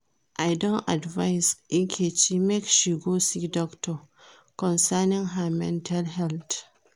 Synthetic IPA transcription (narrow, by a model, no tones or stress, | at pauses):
ʔajdɔnʔadvajsʔɪkʲʰeːt͡ʃimɛkʃiɡosidɔktʰɔ | kɔnsanɪŋɦamɛ̰ntʰalɦɛlt